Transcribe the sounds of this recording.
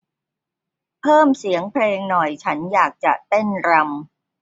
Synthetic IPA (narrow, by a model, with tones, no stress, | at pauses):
pʰɤː˥˩msi˩˦əŋpʰleː˧ŋnɔ˨˩jt͡ɕʰa˦˥njaː˨˩k̚t͡ɕa̰˨˩ʔt̪e˥˩nɾa˧m